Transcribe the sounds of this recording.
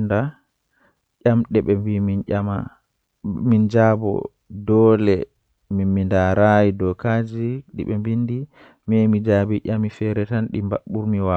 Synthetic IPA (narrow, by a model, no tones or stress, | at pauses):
nda | ʔamɗɛɓɛmbiminama | mind͡ʒaːbɔ̰ | dɔːlɛ | mimindaɾajidɔkad͡ʒiɗḭɓɛmbindi | mɛmid͡ʒaːbiʔamifɛɾɛtanɗimba̰ɓːuɾmiwa